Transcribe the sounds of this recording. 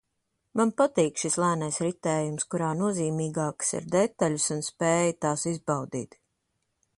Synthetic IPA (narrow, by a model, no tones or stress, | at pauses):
manpat̪iːkʃislˠæːnajsɾit̪ɛːjumskuɾaːnuɔziːmiːɡaːksḭɾd̪et̪aʎʲusunspeːjit̪aːsizbawd̪ḭːt̪